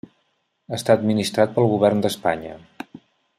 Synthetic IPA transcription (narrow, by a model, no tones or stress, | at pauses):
ast̪aəd̪minist̪ɾat̪̚pəlˠɣuβɛrnd̪əspa̰ɲə̰